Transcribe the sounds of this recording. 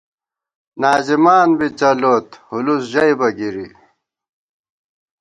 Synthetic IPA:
naːzimaːnbit͡sɐloːt̪hulusʑɐjbɐɡiɾi

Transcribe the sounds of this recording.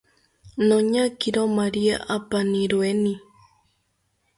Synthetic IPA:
nõɲãkiɾomaɾia̰ʔapanĩɾuenĩ

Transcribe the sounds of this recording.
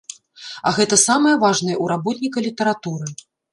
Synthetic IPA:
ɐ̰ɣɛt̪ɐsamɐjɐvaʐnɐjɐuɾabɔt̪nʲikɐlʲit̪ɐɾat̪uɾɨ

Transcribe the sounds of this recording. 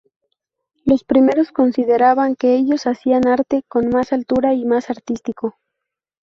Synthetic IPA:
lo̞spɾime̞ɾo̞sko̞nsiðe̞ɾaβaŋke̞e̞ʝo̞sasianaɾt̪e̞ko̞nmasalt̪uɾaimasaɾt̪ist̪iko̞

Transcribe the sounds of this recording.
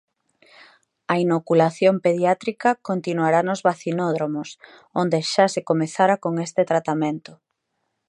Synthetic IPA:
ɐinokulaθjompeðjat̪ɾikɐkont̪inuaɾanozβaθinoðɾomos | ond̪eʃasekomeθaɾakoŋest̪et̪ɾat̪amẽnt̪ʊ

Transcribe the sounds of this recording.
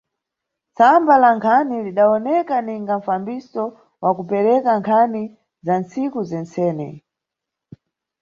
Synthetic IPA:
t͡sambalaŋkʰaniliɗaɔnɛkaniŋɡaɱ̩fambisɔ | wakupɛɾɛkaŋkʰani | zant͡sikuzɛnt͡sɛːnɛ̰

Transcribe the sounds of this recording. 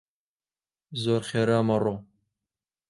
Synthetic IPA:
zoːɾχeːɾaːmɐro

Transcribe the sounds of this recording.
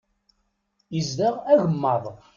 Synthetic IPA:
jəzðaʁæʝəmːɑðˤ

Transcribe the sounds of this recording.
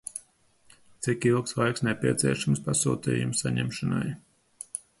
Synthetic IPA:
t̪sikilˠkslˠajksnepʲiɛt̪sʲiɛʃamspasṵːt̪ḭːjumsaɲɛ̰mʃana̰j

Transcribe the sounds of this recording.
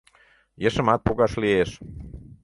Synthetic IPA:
jəʃəmɑt̪̚poɣɑʃlieʃ

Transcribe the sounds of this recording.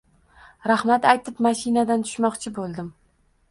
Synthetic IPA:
ɾahmat̪ajt̪ʰɪpmaʃinad̪ant̪ʰʊ̥ʃmɒqt͡ʃʰɪbolˠd̪ɪm

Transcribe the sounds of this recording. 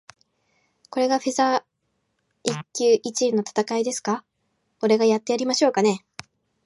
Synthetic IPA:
ko̞ɾe̞ɡaɸiza | ikʲːɨːʔit͡ɕinːo̞t̪ḁt̪akaid̪e̞sɨ̥ka | o̞ɾe̞ɡajat̪ːe̞jaɾʲimaɕo̞ːkane̞

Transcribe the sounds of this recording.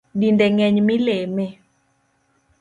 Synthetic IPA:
ɗindɛŋɛɲmilemɛ

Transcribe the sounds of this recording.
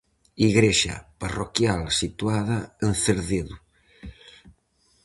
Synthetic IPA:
iɣɾeʃa̰parokjalsit̪waðaenθeɾðeðu

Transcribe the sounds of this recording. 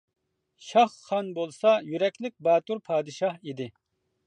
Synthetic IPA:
ʃɑχːɑnbolˠsɑjyɾɛkʲlɪk̚ʲbɑːt̪uɾpʰɑːd̪ɨʃɑhid̪ɪ

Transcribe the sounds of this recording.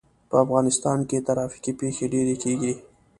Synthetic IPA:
pəafɣɑnɪst̪ɑnket̪aɾɑfi̥kipexeɖeɾekeɡi

